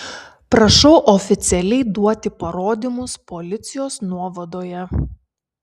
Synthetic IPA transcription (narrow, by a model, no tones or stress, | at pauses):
pɾɐʃɔʊʔɔfʲɪt̪sʲɛlʲɛɪd̪uɔt̪ʲɪpɐɾoːd̪ʲimʊspɔlʲɪt̪sʲɪjoːsnuɔʋɐd̪oːjɛ